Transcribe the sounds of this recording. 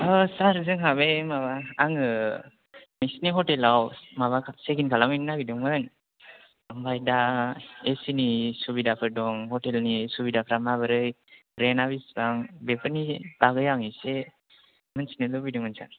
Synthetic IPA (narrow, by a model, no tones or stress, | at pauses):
ɔsaɾzɯŋɦaβemaβaːŋɯ | misniɦɔtelawmaβakʰseɡinkʰalaŋɯnnaɡidɯŋmɯn | ɯmbajdaesinisubidapʰɯɾdɔŋhɔtelnisubidapʰɾamaβɯɾɯj | ɾenabisbaŋbepʰɯnib̥aɡɯjaŋise | mɯnsinɯlɔbidɯŋmɯnsa̰ɾ